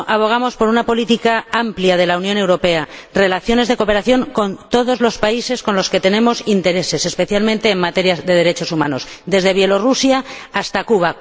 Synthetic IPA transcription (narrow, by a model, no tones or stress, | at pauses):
ʔaβ̞o̞ɣ̞amo̞spo̞ɾunapo̞lit̪ikaampljað̞e̞launjone̞wɾo̞pe̞are̞laθjo̞ne̞zðe̞ko̞pe̞ɾaθjo̞ŋko̞nt̪o̞ð̞o̞zlo̞spaise̞sko̞nlo̞ske̞t̪e̞ne̞mo̞sint̪e̞ɾe̞se̞se̞spe̞θjalmẽnt̪e̞ːŋmat̪e̞ɾjazðe̞ð̞e̞ɾe̞t͡ʃo̞suma̰no̞sd̪e̞zðe̞β̞je̞lo̞rusjaːst̪akuβ̞a